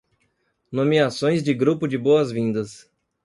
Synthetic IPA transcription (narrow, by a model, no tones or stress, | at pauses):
nomiasõj̃zd͡ʒɪɡɾupʊd͡ʒɪboɐzvĩnd̪ɐs